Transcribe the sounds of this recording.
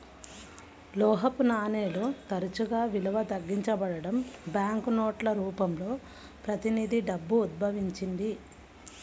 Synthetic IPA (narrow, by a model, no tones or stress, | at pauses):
lɔːɦɐpunaːneːloːt̪ɐɾut͡ʃuɡaːʋilɐʋɐt̪ɐɡːiɲt͡ʃɐbɐɽɐɽɐmbjaːŋkunoːʈlɐɾuːpɐmlo̞ː | pɾɐt̪inid̪ʱiɖɐbːuːd̪̚bʱɐʋiɲt͡ʃind̪i